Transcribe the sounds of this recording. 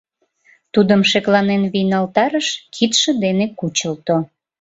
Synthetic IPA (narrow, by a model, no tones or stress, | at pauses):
t̪ud̪əmʃeklɑnenβijnɑlt̪ɑɾəʃkʰit̪ʃə̆d̪enekut͡ɕəlt̪o